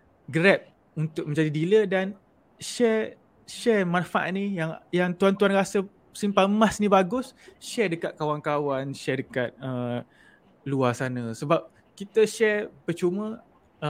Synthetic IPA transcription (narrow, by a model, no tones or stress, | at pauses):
ɡəɾɛp̚ | unt̪ʊk̚mə̃ɲd͡ʒadidilədan | ʃɛ | ʃɛmãnfaʔa̰t̪̚nijaŋjaŋt̪uant̪uanrasə | simpamasnibaɡʊsʃɛdəkat̪̚kawankawanʃɛdəkat̪̚ə | luasanə̃səbap̚ | kit̪əʃɛpət͡ʃumə̃